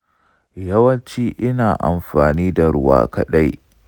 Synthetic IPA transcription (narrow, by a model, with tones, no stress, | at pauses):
jɐ˦wɐ˦nt͡ʃiː˦ʔɪ˦naː˨ʔa̰˨mɸaː˨niː˦da˨ɾʊ˦wa̰ː˦kɐ˦ɗa˦j